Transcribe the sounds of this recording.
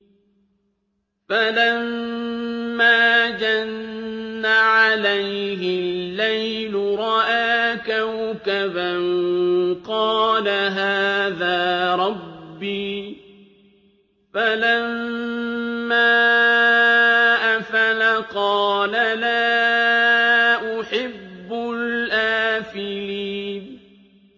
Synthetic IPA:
falamː | aːd͡ʒanː | aʕalajɦɪlːajj | lʊɾˤɑʔaːkawkabanqɑːlaɦaːðaːɾˤɑbːiː | falamː | aː | ʔafalaqɑːlalaː | ʔʊħɪbːʊlʔaːfɪliːn

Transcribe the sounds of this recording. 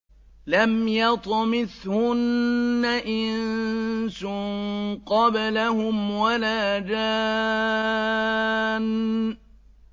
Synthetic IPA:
lamjɑt̪ˤmɪθhʊnːaʔɪnsʊŋŋqɑbalahʊmwalaːd͡ʒaː | n

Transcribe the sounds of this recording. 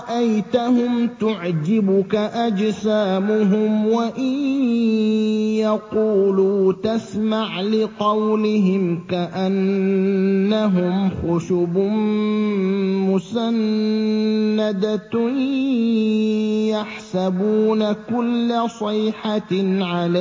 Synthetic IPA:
ʔajt̪ahʊmt̪ʊʕd͡ʒɪbʊkaʔad͡ʒsaːmʊɦʊmwaʔɪn | jaquːluːt̪asmaʕlɪqɑwlɪɦɪmkaʔanː | aɦʊmxʊʃubʊ | mʊsanː | ad̪a | jaħsabuːnakʊlːasˤɨːħaʕala

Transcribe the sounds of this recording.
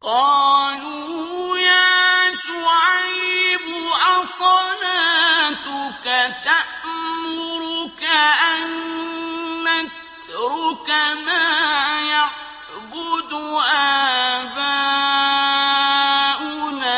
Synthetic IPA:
qɑːluːjaːʃʊʕajbʊʔasˤɑlaːt̪ʊkat̪aʔmmʊɾʊkaʔanː | at̪ | ɾʊkamaːjaʕ | ɡʊd̪ʊʔaba | ʔʊna

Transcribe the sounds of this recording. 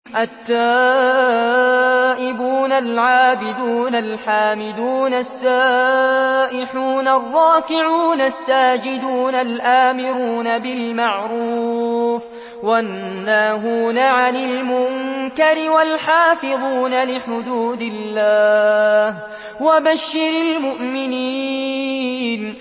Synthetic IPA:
ʔat̪ːaː | ʔɪbuːnalʕaːbɪd̪uːnalħaːmɪd̪uːnasːaː | ʔɪħuːnarˤːɑːkɪʕuːnasːaːd͡ʒɪd̪uːnalʔaːmɪɾuːnabɪlmaʕɾuːf | wanːaːɦuːnaʕanɪlmʊŋkaɾɪwalħaːfɪðˤuːnalɪħʊd̪uːd̪ɪlːaːh | wabaʃːɪɾalmʊʔmɪniː | n

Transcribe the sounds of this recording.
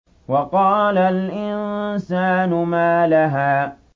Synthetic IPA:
wɑqɑːlalʔɪnsaːnʊmaːlaɦaː

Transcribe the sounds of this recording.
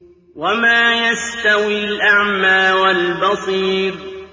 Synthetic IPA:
wamaːjast̪awilʔaʕmaːwalbɑsˤiːɾ

